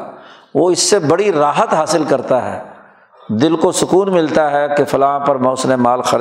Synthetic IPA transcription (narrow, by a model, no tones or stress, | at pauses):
ʋoːɪsːebɐɽiɾaːɦət̪ɦaːsɪlkɐɾt̪aɦɛ̰ː | d̪ɪlkosʊkuːnmɪlt̪aɦɛkefɐlãːpɐɾmɔːsnemaːlxɐɾ